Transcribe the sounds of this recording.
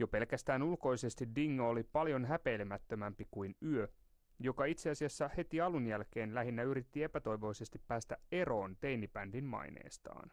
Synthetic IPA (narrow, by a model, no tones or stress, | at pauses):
jo̞pe̞lkæst̪æːnulko̞jse̞st̪iddiŋːɑolipɑljo̞nɦæpe̞ːlemæt̪ːømæmpikuinyø | jo̞kɑit̪seɑsiɑsːæhe̞t̪iɑlunjælke̞ːnlæɦinːæyɾit̪ːie̞pæt̪o̞iʋo̞ise̞st̪ipːæːst̪æe̞ɾo̞ːnt̪e̞jnipændinmɑ̰inḛːst̪ɑ̰ːn